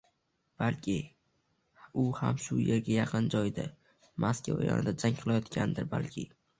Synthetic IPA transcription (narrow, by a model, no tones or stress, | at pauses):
b̥alkʲʰɪ | ʊha̰mʃʊjeɾɡʲajɑqʰɨnd͡ʒɒjd̪ɪ | mʔaskʲʰa̰w̰jɒ̰nɪ̰d̪ad͡ʒaŋqʰɨlˠajɒt̪kʲʰand̪ɪɾba̰lkʲʰɪ̰